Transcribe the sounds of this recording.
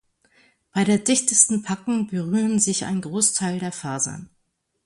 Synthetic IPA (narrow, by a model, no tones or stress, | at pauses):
b̥aɪɾeːɐdɪçtəstn̩pʰakʊŋbəʁyːʁənzɪça̰ɪnɡʁoːstʰaɪldeːɐfaːzɐ̰n